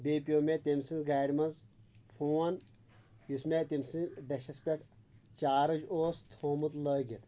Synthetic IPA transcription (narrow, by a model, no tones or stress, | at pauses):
beːpʲioːmet̪ʲemsĩnzɡaːɾʲmɐnzpʰoːɐn | jusmet̪imsĩɖɐʃɐspʲeʈt͡ʃaːɾɨd͡ʒoːst̪ʰoːmut̪ləːɡʲit̪